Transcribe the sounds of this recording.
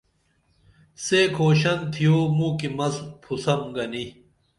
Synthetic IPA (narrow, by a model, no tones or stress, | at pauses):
sekʰoːɕɐnt̪ʰijoːmũkimɐzpʰusɐmɡɐni